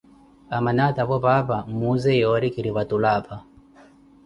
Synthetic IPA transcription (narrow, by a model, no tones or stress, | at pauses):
amanataβɔpapamuzɛjɔɾikiɾiβatulapa